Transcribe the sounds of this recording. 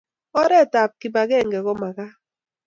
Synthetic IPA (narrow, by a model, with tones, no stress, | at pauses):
ɔ˦ɾɛ˦˨ta˨p̚ki˨ba˨ɡɛ˦˨ŋ˨ɡɛ˨ɣɔ˦ma˨ɣa˦